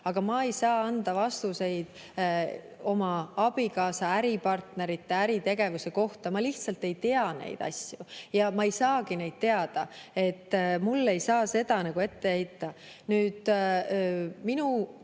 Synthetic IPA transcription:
ɑɡ̥ɑmɑe̞jsɑːɑnd̪ɑvɑst̪use̞jd̪̥ | o̞mɑɑb̥ikɑːsɑæɾipɑrt̪ne̞ɾit̪ːe̞æɾit̪e̞ɡ̥e̞vuse̞ko̞ht̪ɑmɑliht̪sɑlt̪ːe̞jt̪e̞ɑne̞̰jd̪̥ɑ̰sʲjujɑmɑejsɑːɡine̞jd̪̚t̪e̞ɑd̪̥ɑe̞t̪ːmulːe̞jsɑːse̞d̪̥ɑnɑɡ̥ue̞t̪ːe̞ejt̪ːˑɑ | nyːd̪̥ | minu

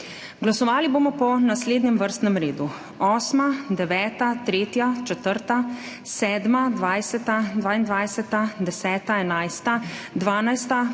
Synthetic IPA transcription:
ɡlasɔʋaːliboːmɔpɔnasleːd̪njɛmʋəɾst̪nɛmɾeːd̪u | ɔːsmad̪ɛʋɛːt̪at̪ɾeːt̪jat͡ʃɛt̪əɾt̪a | sɛːd̪mad̪ʋaːjsɛt̪ad̪ʋaːind̪ʋajsɛt̪ad̪ɛsɛːt̪aɛnajst̪ad̪ʋaːnajst̪a

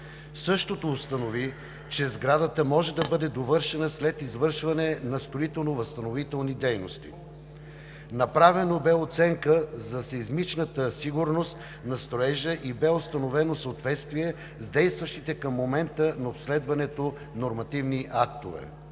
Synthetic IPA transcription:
sɤʃt̪ot̪oːst̪ɐnovi | t͡ʃɛzɡɾad̪ət̪əmɔʒɛd̪ɐbɤd̪ɛd̪ovɤɾʃɛnəslɛt̪izvɤɾʃvɐnɛnɐst̪ɾoit̪ɛlˠnovəst̪ɐnovit̪ɛlˠnid̪ɛjnost̪ḭ | nɐpɾavɛnobɛot̪sɛŋkəzɐsezmit͡ʃnət̪əsiɡuɾnost̪ | nɐst̪ɾoɛʒəʔibɛost̪ɐnovɛnosəot̪vɛt̪st̪vijɛ | zd̪ɛjst̪vɐʃt̪it̪ɛkɐmːomɛnt̪ənɐopslɛd̪vɐnɛt̪o | noɾmɐt̪ivniʔak̚t̪ovɛ̰

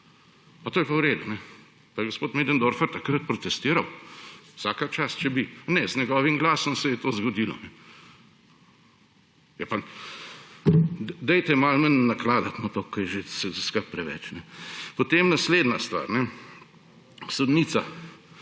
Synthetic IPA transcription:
pat̪oːjɛpawɾeːd̪unɛ | pajɛɡospoːt̪meːd̪ɐnd̪oːɾfəɾt̪ɐkɾət̪̚pɾɔt̪ɛst̪iːɾɐwsaːkat͡ʃast͡ʃɛbinɛzɲɛɡɔːʋimɡlaːsɔmsɛjɛt̪oːzɡɔd̪ilɔ̰nɛ | jɛpa | d̪ɛjt̪ɛmalmənːaklaːd̪at̪mat̪okʰːɔjɛʒesɛzskɐɾt̚pɾɛʋɛ̰t͡ʃnɛpot̪emnasleːd̪nast̪ʋa̰ːɾnɛ | sod̪niːt̪sa

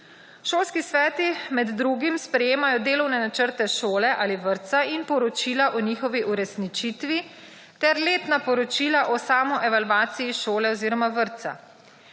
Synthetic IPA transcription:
ʃoːlskisʋɛːt̪imɛd̪ːɾuɡimspɾɛjeːmajɔd̪eːlɔwnɛnat͡ʃəɾt̪ɛʃoːlɛʔaːliʋəɾt̪sainpɔɾɔt͡ʃiːlaʔɔniːxɔʋiʔuɾɛsnit͡ʃit̪ʋi | t̪ɛɾleːt̪napɔɾɔt͡ʃilaʔɔsaːmɔʔɛʋalʋaːt̪sijiʃoːlɛɔziːɾɔmaʋəɾt̪sa̰

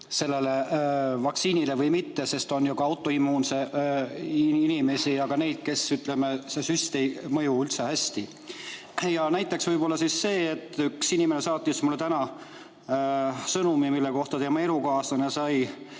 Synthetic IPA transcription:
se̞lːe̞le̞vɑksiːnile̞vɤjmit̪ːe̞se̞st̪o̞njukɑɑwt̪ːˑo̞imːuːnse̞ | iinime̞siɑɡ̥ɑne̞jd̪̥̚ke̞syt̪ˑle̞mesesyst̪emɤjuylt̪sehæsʲt̪i | jɑnæjt̪ːˑe̞ksvɤjbo̞lːɑsisːe̞ːet̪ˑːyksinimene̞sɑːt̪ˑːismulːet̪ænɑ | sɤnumimilːeko̞ht̪ɑt̪eːmɑelukoɑːst̪ɑnesɑj

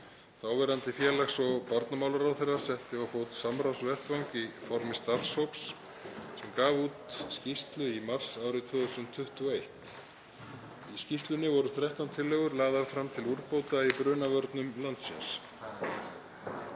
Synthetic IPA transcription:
θawvɛːɾant̪ɪfjɛːlaxsɔɣpaɾt̪namawlʏɾawθerːḁsɛht̪ɪɔwfoːwt̪samɾawsvɛr̥t̪vawŋkifɔɾmɪst̪aɾshowps | sɛmkaːvuːt̪scist̪lʏimar̥saːwɾɪt̪ʰvœðʏsʏnt̪ʰːʏht̪ʏɔejht̪ | iscist̪lʏnɪvɔɾʏθɾaht̪awnt̪ʰɪlːœɣʏɾlaːðaɾfɾamt̪ʰɪluɾpowt̪aipɾʏːnavœɾt̪nʏmlant̪sɛ̰ns

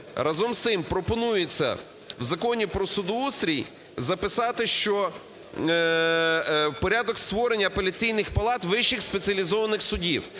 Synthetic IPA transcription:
rɐzɔmst̪ɪmpɾɔpɔnujet͡sʲːɐ̰ | wzɐkɔnʲipɾɔsʊd̪ɔust̪ɾʲij | zɐpɪsɑt̪ɪʃt͡ʃɔ | pɔɾʲad̪ɔkst̪ʋɔɾenʲːɐɐpelʲɐt͡sʲijnɪxpɐlˠɑt̪ʋɪʃɪxspet͡sʲiɐlʲizɔʋɐnɪxsʊdʲiw

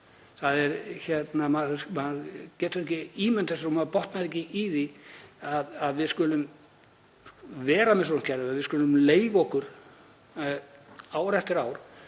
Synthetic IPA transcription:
θaðɛɾçɛt̪namaðmaðcɛːt̪ʏɾɛhcɪiːmɛnt̪θɛs̬aɾumaðpɔht̪naðɛhcɪiðiaðaðvɪðskʏːlʏm | vɛːɾamɛs̬ɔnʏm̥cʰɛɾðʏaðvɪðskʏːlʏmleːjvɔhkʏɾ̥ | aːwɾɛft̪ɪɾaːwɾ̥

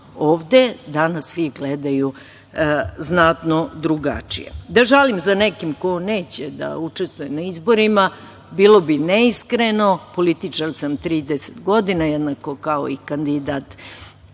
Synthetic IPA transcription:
oːʋd̪e̞d̪anasʋiɡled̪aju | znat̪nod̪ɾuɡa̰t͡ʂḭjḛd̪aʒalimzanekimkoneːt͡ɕed̪a̰ut͡ʂe̞st̪ʋujenaizbo̞ɾima | bilˠo̞bineiskɾeno̞po̞lit̪it͡ʂaɾsamt̪ɾiːd̪ese̥t̪ɡo̞d̪inajɛd̪nako̞kao̰ikand̪id̪at̪

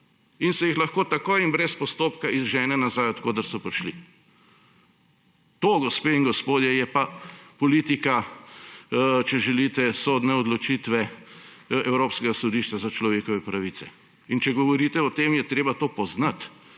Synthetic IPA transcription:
insɛjixlɐxkoːt̪akojinbɾɛspɔst̪oːpkaizʒɛːnɛnazajɔt̪koːd̪əɾsɔpɾiʃlḭ | t̪oːɡɔspeːiŋɡɔspoːd̪jɛjɛpapɔliːt̪ika | t͡ʃɛʒɛlit̪ɛsoːd̪nɛɔd̪lɔt͡ʃit̪ʋɛ | ɛwɾoːpskɛɡasɔd̪iːʃt͡ʃazat͡ʃlɔʋeːkɔʋɛpɾaʋiːt̪t͡ssɛ | int͡ʃɛɡɔʋɔɾiːt̪ɛɔt̪eːmjɛt̪ɾeːbat̪oːpɔznat̪

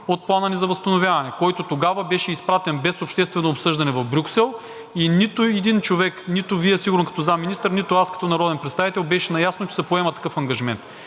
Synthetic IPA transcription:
ot̪̚plˠanənizɐvɐst̪ɐnovʲjavɐnɛkɔjt̪ot̪oɡavɐbɛʃɛispɾat̪ɛnbɛsopʃt̪ɛst̪vɛnoːpsɤʒd̪ɐnɛvɐvbɾʲuksɛlˠ | init̪ʊɛd̪int͡ʃovɛknit̪ʊviɛsiɡʊɾənkɐt̪ɔzamːinist̪əɾnit̪ʊaskɐ̥t̪ɔnɐɾɔd̪ɛnpɾɛt̪t̪avit̪ɛlˠbɛʃɛnɐjasnot͡ʃɛ̥sɛpoɛmət̪ɐ̥kɤfɐŋɡɐʒimɛ̰nt̪

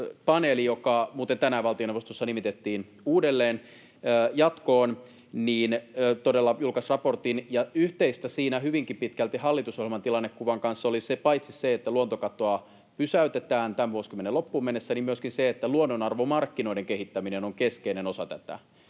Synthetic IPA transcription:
pɑneːlijokɑmuːt̪ent̪ænæʋɑlt̪io̞neʋost̪osːɑnimit̪et̪ːiːn | uːdelːeːnː | jɑt̪koːn | niːnːt̪odelːɑjulkɑsrɑpo̞rt̪injɑyht̪eist̪æsiːnæhyʋiŋkimpit̪kælt̪ihɑlːit̪usohilmɑnt̪ilɑnːekkuʋɑŋkɑnsːolisepɑjt̪sisseet̪ːæluont̪okɑt̪oɑ | pysæyt̪et̪æːnt̪æmʋuoskymːenelo̞pːuːmenːesːænimyøskinseet̪ːæluonːonɑrʋomɑrkːino̞ideŋkeɦit̪ːæminenoŋkeskeinenosɑt̪æt̪æ̰

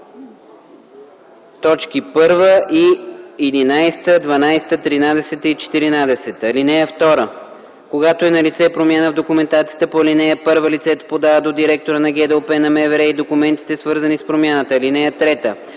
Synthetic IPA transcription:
t̪ɔt͡ʃkipɤɾvəʔiɛd̪inajst̪əd̪vɐnajst̪ət̪ɾinad̪ɛsɛt̪əit͡ʃɛ̥t̪iɾinad̪ɛsɛt̪əlinɛjəft̪ɔɾə | koɡat̪oɛnɐlit̪sɛpɾomʲjanəvd̪okumɛnt̪at̪sijət̪əpolinɛjəpɤɾvəlit̪sɛt̪o̥pod̪avəd̪od̪iɾɛk̚t̪oɾənɐɡʲɛd̪ɛopɛnɐmɛvɛɾɛid̪okumɛnt̪i̥t̪ɛsvɤɾzɐnispɾomʲjanət̪əlinɛjət̪ɾɛt̪ə

